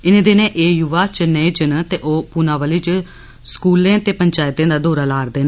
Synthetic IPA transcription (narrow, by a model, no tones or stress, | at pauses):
ɪnẽːd̪enẽːʔeːjʊʋaːt͡ʃənẽːd͡ʒənt̪eːʔoːpuːnãːʋəliːt͡ʃ | skuːlẽːt̪eːpəɲt͡ʃaːɪt̪ẽːd̪aːd̪oːɾaːlaːɾd̪eːna